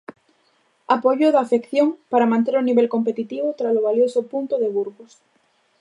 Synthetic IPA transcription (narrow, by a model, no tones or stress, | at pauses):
apoʎoðafekθjoŋpaɾamãnt̪eɾʊniβelkompet̪it̪iβ̞ot̪ɾasoβ̞aljosopunt̪oðeβuɾɣos